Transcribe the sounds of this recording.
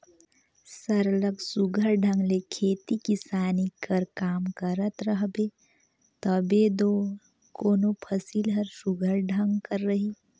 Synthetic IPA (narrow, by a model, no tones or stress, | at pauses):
səɾləɡsuɡʱəɾɖʱə̃ŋɡlekʰeːt̪ikisaːnikəɾkaːmkəɾət̪ɾəɦbe | t̪əbed̪o | koːnopʰəsiːlɦəɾsuɡʱəɾɖʱə̃ŋɡkəɾːəɦiː